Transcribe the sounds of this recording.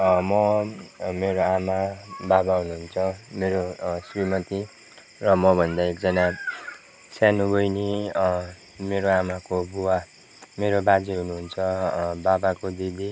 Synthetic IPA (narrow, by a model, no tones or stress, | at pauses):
mʌ | meɾoamababaɦunuɦunt͡sʰʌmeɾosrimʌt̪i | rʌmʌbʱʌnd̪aek̚d͡zʌna | sanubʱʌjni | meɾoamakobuwa | meɾobad͡ziɦunuɦunt͡sʰʌbabakod̪id̪i